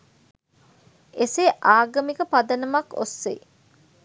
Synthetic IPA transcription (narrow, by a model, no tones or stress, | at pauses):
eseʔaːɡɐmikəpad̪ɐnɐmɐko̰sːḛ